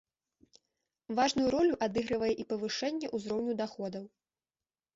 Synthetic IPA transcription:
vaʐnujuɾɔlʲuʔad̪ɨɣɾɐvɐjɛʔipɐvɨʂɛnʲːɛʔuzɾɔwnʲud̪axɔd̪ɐw

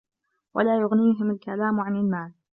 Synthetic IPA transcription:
wa̰laːjʊɣniːɦɪmalkalaːmʕanɪlmaːl

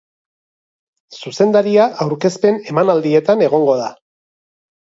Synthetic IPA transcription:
suse̞nd̪aɾiaʔawɾke̞spe̞ne̞manald̪ie̞t̪ane̞ɣ̞o̞ŋɡo̞ða

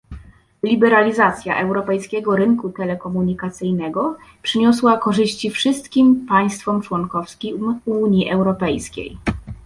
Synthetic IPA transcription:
lʲibɛɾalʲizat̪sʲja̰ʔɛwɾɔpɛjskʲɛɡɔɾɘŋkut̪ɛlɛkɔmuɲikat̪sɘjnɛɡɔ | pʂɘɲɔswakɔʐɘɕt͡ɕifʂɘst̪kʲimpaj̃st̪fɔmt͡ʂwɔnkɔfskʲiuɲjiʔɛwɾɔpɛjskʲḛj

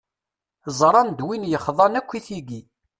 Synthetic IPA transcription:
zˤɾˤɑnd̪winjəχðˤɑnækʷːiθiɡi

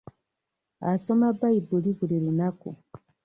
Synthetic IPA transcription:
asomabaibuliβuliɾinakṵ

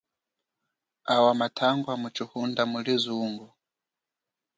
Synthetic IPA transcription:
awamatʰaŋɡwamut͡ʃuhundamulizuːŋɡɔ

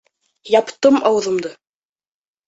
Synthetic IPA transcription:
jɑpt̪ɤmɑw̆ðɤ̆md̪ɤ

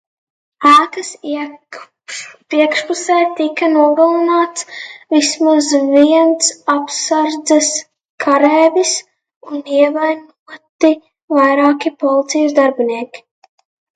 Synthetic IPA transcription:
aːkasi | pɾiɛkʃpusɛːt̪ikanuɔɡalˠinaːt̪svismuzviɛnt̪sapsaɾd̪zɛs | kʰaɾɛːvʲis | uniɛvajnuɔt̪i | vajɾaːkipɔlˠit̪sijusd̪aɾbiniɛkʲi̥

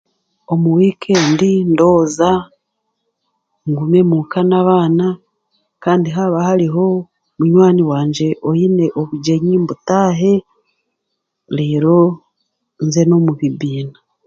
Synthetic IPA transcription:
o̞muwiːkʰeːndindo̞ːza | ŋɡume̞mukanaβaːna | kaːndiɦaβahaɾiɦo̞ | muɲwaːniwaːɲd͡ʒe̞ʔojine̞ʔoβuɟeɲimbutaːɦe̞ | leːɾo̞ | nze̞no̞muβiβiːna

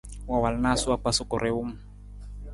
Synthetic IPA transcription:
wawalnasuak͡pasukɔɾʔɛum

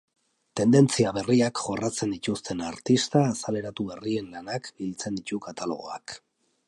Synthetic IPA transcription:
t̪e̞nd̪e̞nt͡siaβe̞riakʝo̞rat͡se̞nd̪it̪ust̪ʰe̞naɾt̪ist̪aːsale̞ɾat̪uβe̞rie̞nlanakbilt͡se̞nd̪it̪ukat̪alo̞̰ɣ̞o̞ak

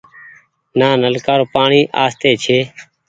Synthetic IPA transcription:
naːnəlkaːɾoːpaːɳiːʔa̰ːst̪eːt͡ʃʰeː

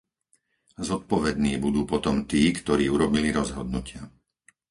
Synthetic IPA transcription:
zɔt̪̚pɔʋɛd̪niːbud̪uːpɔt̪ɔmt̪iːkt̪ɔɾiːuɾɔbiliɾɔzɦɔd̪nucɪa

